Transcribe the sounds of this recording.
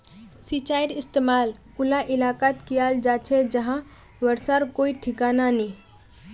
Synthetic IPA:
sit͡ʃaiɾɪst̪emaːl | ulaʔɪlaːkat̪kijald͡ʒat͡ʃʰed͡ʒəɦã | ʋəɾsaɾkoiʈʰikaːnani

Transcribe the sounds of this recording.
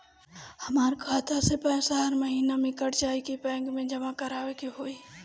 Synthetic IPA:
hɐmaːɾkʰaːt̪asepɛːsaɦəɾməɦiːnamẽkəɽt͡ʃaːikipɛ̃ːŋɡmẽd͡ʒɐmakəɾaːʋekiɦoːiː

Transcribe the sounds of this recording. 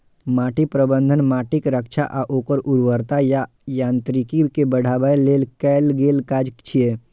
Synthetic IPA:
maːʈipɾəbə̃nd̪ʱənmaːʈikɾəkt͡ʃʰaʔaʔoːkəɾʔuɾʋəɾt̪aja | jãːnt̪ɾikikebəɽ̤ʱaːʋəjleːlkɛːlɡeːlkaːd͡ʒkt͡ʃʰie

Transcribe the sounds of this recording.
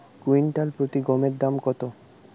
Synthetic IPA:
ɡuinʈalpɾot̪iɡɔmeɾd̪amkɔt̪o

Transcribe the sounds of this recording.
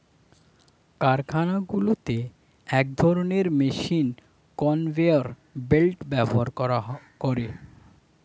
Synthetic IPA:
kaɾkʰanaɡulot̪e | ɛk̚d̪ʱɔɾoneɾmeʃin | kɔnveoɾ | belʈbɛboaɾakoɾe

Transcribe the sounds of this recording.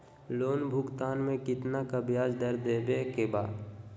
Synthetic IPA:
loːnbʱʊɡt̪aːnmẽkɪt̪nakabʱjaːd͡ʒd̪əɾd̪eːbekebaːd̪

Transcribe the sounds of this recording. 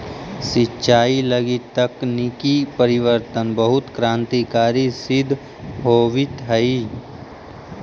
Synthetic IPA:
sɪtːʃaːilɐɡit̪əknikipəɾɪʋəɾt̪ənbəɦʊt̪kɾãːnt̪ikaːɾisɪd̪ʱ | ɦoːʋɪt̪ɦɐi

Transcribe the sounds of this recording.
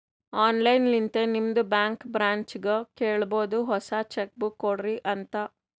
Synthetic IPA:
aːnlɐjnlint̪enimd̪ubjaːŋkbɾaːɲt͡ʃɡɐkeːɭɐbo̞ːd̪uɦɔsat͡ʃek̚bukːoɽɾiʔɐnt̪ɐ

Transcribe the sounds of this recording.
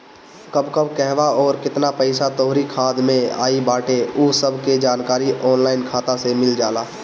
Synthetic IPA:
kəbkəbkɛɦʋaɔːɾkɪt̪napəɪsat̪ɔːɦɾikʰaːd̪mẽa̰ːibaːʈeʊsəbʱked͡ʒaːnkaːɾiʔɔːnlaːɪnkʰaːt̪asemɪld͡ʒaːlaː

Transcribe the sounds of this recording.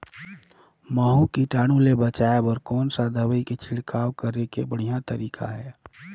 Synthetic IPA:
məɦukiʈaːɽ̃ulebət͡ʃaːebɔːɾkɔːnsad̪ʱəwəiket͡ʃʰɪɽkaːwkəɾekebəɽ̤ijat̪əɾiːkʰa̰ɦɛː

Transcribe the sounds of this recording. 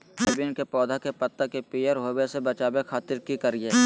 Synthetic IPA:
ɐbiʊnkepɔːd̪ʱakepɐt̪ːəkepijəɾɦoːwesebɐt͡ʃaːbekʰaːt̪ɪɾkikɐɾieː

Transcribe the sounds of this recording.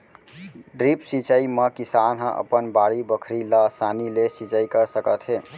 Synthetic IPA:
ɖɾipsit͡ʃəimekisanɦə̃ʔə̰pənbaɽibəkʰɾiləsanilesit͡ʃəikəɾsəkət̪ɦe

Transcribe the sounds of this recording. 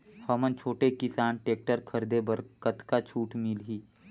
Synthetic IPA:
fəmənt͡ʃʰoːʈekɪsaːnʈeːk̚ʈəɾkʰəɾd̪ebəɾkət̪kat͡ʃʰuːʈmɪlɦiː

